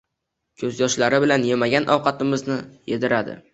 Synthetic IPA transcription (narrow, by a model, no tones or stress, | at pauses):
kʲʰɵzjɒʃlaɾɪbɪlanjemaɡʲanʔɒwqʰɑt̪ɪmɪznɪjed̪ɪɾad̪ɪ̰